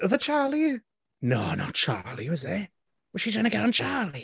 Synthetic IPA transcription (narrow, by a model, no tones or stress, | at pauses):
əðət͡ʃʰɑːlˠijʉ | no̰ʊnə̰t̚t͡ʃʰɑ̰ːlˠiwɪzðə | wʌz̥ʃizɡʌnəɡɛɾ̃n̩t͡ʃʰɑːli